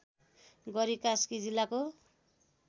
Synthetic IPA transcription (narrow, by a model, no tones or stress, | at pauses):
ɡʌɾikaskid͡zilako